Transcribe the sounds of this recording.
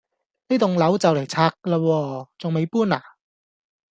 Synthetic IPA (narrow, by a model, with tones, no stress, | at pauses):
li˨˥t̪ʊ˨ŋlɐ˨˥wt͡sɐ˨wle˨˩jt͡sʰaː˧k̚laː˧wɔː˧t͡sʊ˨ŋme˨˧jpuː˥naː˨˩